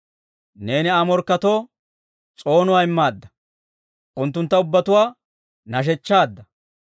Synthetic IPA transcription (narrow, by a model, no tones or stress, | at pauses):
ne̞ːnɪaːmɔɾkːɐt̪o̞ː | t͡sʼo̞ːnʊwaːɪmːaːd̪ːɐ | ʔʊnt̪ːʊnt̪ːɐʊbːɐt̪ʊwaː | nɐʃ̬ɛt͡ʃːaːd̪ːɐ